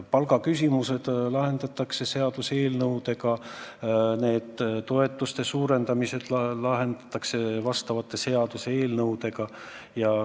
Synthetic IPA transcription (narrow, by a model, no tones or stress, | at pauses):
pɑlɡɑkys̬ʲimuse̞d̪̥lɑɦe̞nd̪̥ɑt̪ːˑɑkse̞se̞ɑd̪use̞ːlnɤwd̪̥e̞ɡɑ | ne̞ːd̪̥t̪o̞e̞t̪ːˑust̪e̞suːɾe̞nd̪ɑmise̞d̪̥lɑɦe̞nd̪̥ɑ̥t̪ˑːɑkse̞vɑst̪ɑvɑt̪ːˑe̞se̞ɑd̪use̞ːlnɤwd̪̥e̞ɡɑ | jɑ